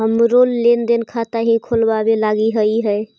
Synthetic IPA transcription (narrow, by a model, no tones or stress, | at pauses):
ɦəmɾolːend̪enkʰat̪aɦĩkʰolbabelaɡiɦəiɦəj